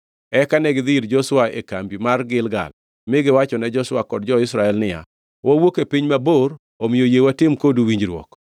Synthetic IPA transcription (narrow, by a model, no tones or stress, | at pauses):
ɛkanɛɡɪd̪ɪɾd͡ʒɔswaḛkambimarɡɪlɡa̰l | mɪɡɪwat͡ʃɔnɛd͡ʒɔswakɔd̚d͡ʒɔɪsɾaɛlnɪja̰ | wawokepiɲmaboɾ | omijojewatɪmkoduwiɲd͡ʒɾwɔ̰k